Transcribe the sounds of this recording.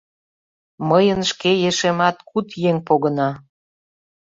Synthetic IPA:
məjənʃkejeʃemɑt̪kut̪jeŋpoɣə̆nɑ

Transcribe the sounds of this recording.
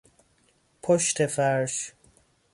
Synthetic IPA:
pʰoʃt̪ʰefæɾʃ

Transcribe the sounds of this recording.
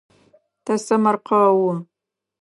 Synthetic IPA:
tʰɐsɐmɐrqʰɐwʊ

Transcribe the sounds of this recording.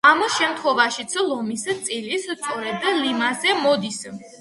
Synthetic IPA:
amʃɛmt̪ʰχwɛvaʃit̪sʰlˠɔmist̪sʼilist̪sʼɔɾɛd̪limazɛmɔd̪is

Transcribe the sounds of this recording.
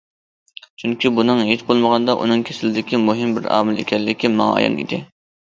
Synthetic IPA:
t͡ʃʰyŋkʲibunɨŋɦet͡ʃbolˠməʁɑnd̪ɑʔṵnɨŋkʲʰesɪlɪd̪ɪkʲimoɦɪmbɪɾɑ̰ːmɪlḛkʲɛlːɪkʲimɑ̰ːjɑ̰nḭd̪ɪ

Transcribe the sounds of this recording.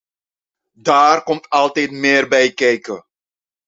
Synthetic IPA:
daːrkɔmtɑlˠtɛjtmɪːrbɛjkɛjkə

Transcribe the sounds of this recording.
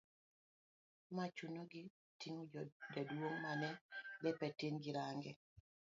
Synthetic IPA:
mat͡ʃunoɡɪ | tiŋodadwoŋmanɛbɛpɛtiŋɡɪɾaŋɡɛ

